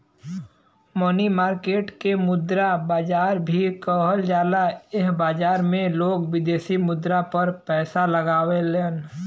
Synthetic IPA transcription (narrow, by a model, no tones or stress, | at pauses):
mɔnimaːɾkeːʈkemʊd̪ɾabaːd͡ʒaːɾbʱikɔɦəld͡ʒaːlaɪɦbaːd͡ʒaːɾmẽloːɡʋɪd̪eːsimʊd̪ɾapəɾpɛːsalɐɡaːweleːn